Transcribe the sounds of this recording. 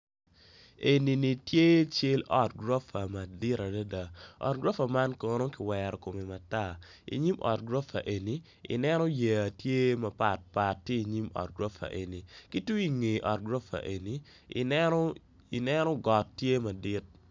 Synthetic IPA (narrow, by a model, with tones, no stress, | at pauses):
e˨ni˨ni˨tje˦t͡ʃe˦lɔ˦t̚ɡɾo˦fa˨ma˨dɪ˦ɾa˨da˦da˨ɔ̰˨t̚ɡɾo˦fa˨ma˦nkɔ˦no˦kɪ˨wɛɾɔ˨ko˨me˨ma˨ta˦ | ḭ˨ɲi˦mʔɔ̰˨t̚ɡɾo˦fa̰˨ʔe˨ni˨ | ḭ˨nɛ˦nɔ˦je˨a˨tje˦mɐ˨pa˨t̚pa˨tːje˦i˨ɲi˦mɔ̰˨t̚ɡɾo˦fa̰˨ʔe˨ni˨ki˦tu˦i˦ŋe˨ʔɔ˨t̚ɡɾo˦fa̰˨ʔe˨ni˨˦ | i˨nɛ˦nɔ˦ɡɔ˨tːje˦ma˨dɪ˦t̚